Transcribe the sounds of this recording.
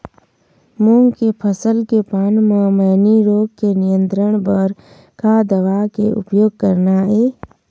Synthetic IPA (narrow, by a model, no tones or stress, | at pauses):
mõŋɡkepʰəsəlkepaːnmãməːniɾoːɡ̚kenijə̃nt̪ɾəɽ̃bəɾ | kaːd̪əʋaːkeʊ̰pjoːɡ̚kəɾnaeː